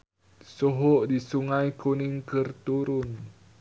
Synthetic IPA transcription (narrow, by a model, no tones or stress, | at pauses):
soɦoʔdisuŋajkuniŋkərt̪uɾʊn